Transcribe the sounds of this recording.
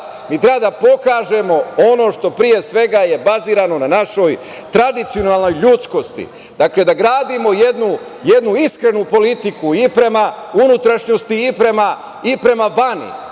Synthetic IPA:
miːt̪ɾe̞bad̪apo̞kaːʒe̞mo̞o̞no̞ʃt̪o̞pɾije̞sʋe̞ɡaje̞baziːɾano̞nanaʃo̞j | t̪ɾad̪it̪sio̞nalno̞jʎut̪sko̞st̪ḭ | d̪̥akle̞d̪aɡɾaːd̪imo̞je̞d̪nu | je̞d̪nuiskɾe̞nupo̞lit̪ikuipɾe̞ma | unut̪ɾaʃɲo̞st̪iːpɾe̞ma | ipɾe̞maʋanḭ

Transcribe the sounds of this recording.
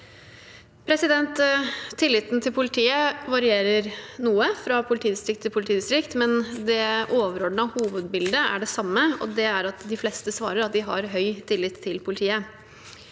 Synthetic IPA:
pʰɾɛsɪd̪ɛnt̪ʰːɪlːɪt̪n̩t̪ʰɪlpʰʊlɪt̪ʰiːəʋɑɾɪeːɾəɾnuːəfɾɑpʰʊlɪt̪ʰiːd̪ɪst̪ɾɪk̚t̪ʰːɪlpʰʊlɪt̪ʰiːd̪ɪst̪ɾɪkt̪mɛnd̪ɛʔoːʋəɾɔɖ̪ɳəɑhuːʋəd̪bɪld̪əæ̰ɖɛsɑmːəɔ̰d̪ɛæɾɑt̪d̪ɪflɛst̪əsʋɑ̰ːɾəɾɑt̪̚d̪ɪɦɑ̰ɾɦœʏt̪ʰɪlːɪt̪ʰːɪlpʰʊlɪt̪ʰiːə

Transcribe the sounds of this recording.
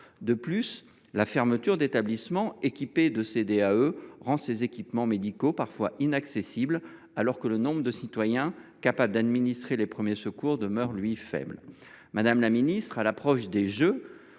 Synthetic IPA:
d̪əplys | lafɛʁmət̪yʁd̪et̪ablismɑ̃ekʲiped̪əsed̪eaøʁɑ̃sezekʲipmɑ̃med̪ikopaʁfwaʔinaksesibl | alɔʁkələnɔ̃bʁəd̪əsit̪wajɛ̃kapabləd̪ad̪minist̪χelepχəmjesəkuʁd̪əmœʁlɥifɛ̰bl | mad̪amlaminist̪χalapχɔʃd̪eʒø

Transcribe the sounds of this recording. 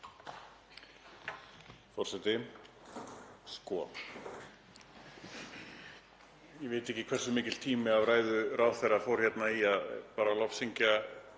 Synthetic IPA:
fɔr̥sɛt̪ɪ | skɔ | jɛvɪːt̪ɛhcɪkʰvɛrsʏmɪːcɪl̥t̪ʰiːmɪavraːjðʏraːwθɛrːafɔwɾ̥çɛt̪naiaðpaːɾalɔfsiɲca

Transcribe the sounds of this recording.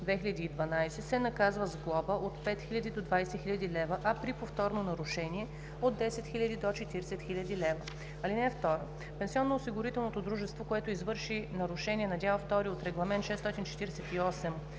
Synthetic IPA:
d̪vɛxilʲɐd̪iːd̪vɐnajsɛsɛnɐkazvəzɡlˠɔbəʔot̪pɛt̪xilʲɐd̪id̪od̪vajsɛxiʎʲɐd̪ilɛvəʔɐpɾipoft̪ɔɾnonɐɾʊʃɛniɛ | od̪d̪ːɛsɛt̪xilʲɐd̪id̪ot͡ʃɛt̪iɾsɛt̪xilʲɐd̪ilɛvə | ɐlinɛft̪ɔɾə | pɛnsiɔnːoːsiɡʊɾit̪ɛlˠnot̪od̪ɾuʒɛst̪vokoɛt̪oizvɤɾʃinɐɾʊʃɛnʲiɛnɐd̪ʲalˠft̪ɔɾiot̪ɾɛɡlˠɐmɛnt̪ʃɛst̪ɔt̪ʲint͡ʃɛ̥t̪iɾɛsɛt̪iɔsɛm

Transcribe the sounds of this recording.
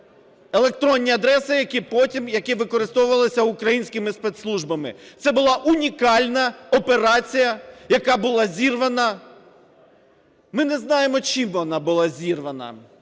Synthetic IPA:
elˠe̞k̚t̪ɾɔnʲːiɐd̪ɾɛsɪjɐkɪpɔtʲimjɐkɪʋɪkɔɾɪst̪ɔwʊʋɐlˠɪsʲɐʊkɾɐjinʲsʲkɪmɪspɛt̪slˠuʒbɐmɪ̰t̪sɛbʊlˠɑʔʊnʲikɑlʲnɐɔpe̞ɾɑt͡sʲijɐjɐkɑbʊlˠɑzʲirʋɐnɐ | mɪnɛznɑjemɔt͡ʃimʋɔnɑbʊlˠɑzʲirʋɐnɐ̰

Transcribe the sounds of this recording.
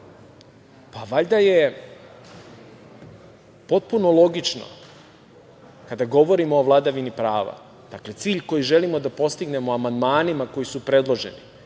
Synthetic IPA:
paʋaʎd̪aje̞ | po̞t̪̚puno̞lˠo̞ɡit͡ʃno̰ | kad̪aɡo̞ʋo̞ɾimo̞ːʋlˠad̪aʋinipɾaːʋa̰ | d̪̥akle̞t̪siːʎko̞jiʒe̞limo̞d̪apo̞st̪iɡne̞moamand̪maːnimako̞jisupɾe̞d̪lˠo̞ʒe̞̰ni

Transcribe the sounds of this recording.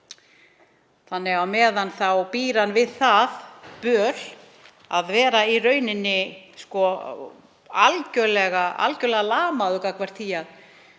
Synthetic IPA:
θanːɪɣawmɛːðanθawpiːɾanvɪðθaðpœːl̥ | aðvɛːɾairœːɥnɪnːɪskɔ | alcœlɛɣaʔa̰lcœlɛɣalaːmaðʏkakʰvaɾ̥t̪ʰiːjað

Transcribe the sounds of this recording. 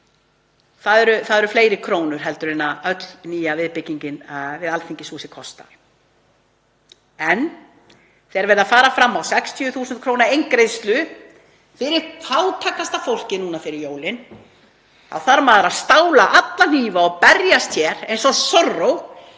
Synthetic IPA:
θaðɛɾʏθaðɛɾʏfleːjɾɪkʰɾoːwnʏɾ̥ɦɛlt̪ʏɾɪnːaœt̪lniːjavɪðpɪciɲcɪnvɪðalθʰiɲcɪsuːsɪkʰɔst̪a̰ɾ̥ | ɛn | θɛɛɾvɛɾðafaːɾafɾamːawsɛkst̪ʰiʏθuːsʏnt̪kʰɾoːwnaejŋkɾejðst̪lʏ | fɪɾɪɾaːwt̪ʰakːast̪afowl̥cɪnuːnafɪɾɪɾjoːwlɪn | a̰wθaɾmaːðɾaðst̪aːwlaʔat̪lan̥iːvaɔpɛɾjast̪ʰçɛɾ̥ejnsɔsɔrːow

